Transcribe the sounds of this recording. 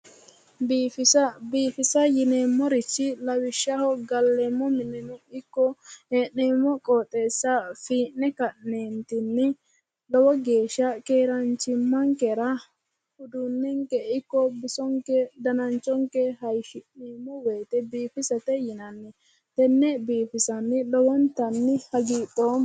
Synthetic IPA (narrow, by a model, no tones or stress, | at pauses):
biːfɪsɐbiːfɪsɐjɪneːmːɔɾɪt͡ʃːɪlɐwɪʃːɐhɔɡɐlːeːmːɔmɪnːɪnʊɪkːɔeːnːeːmːɔkʼoːt̪ʼːe̞ːsːɐfiːnːɛkɐʔneːnt̪ɪnːɪ | lɐwɔɡe̞ːʃːɐkeːɾɐnt͡ʃɪmːɐŋkɛɾɐ | hʊd̪unːɛŋkɛɪkːɔbɪsɔŋkɛd̪ɐnɐnt͡ʃʼːɔŋkɛɦɐjʃɪnːeːmːɔweːt̪ɛbiːpɪsɐt̪ɛjɪnɐnːɛ | t̪ɛnːɛbiːfɪsɐnːɪlɔwɔnt̪ɐnːɪhɐɡiːt̪ʼːoːm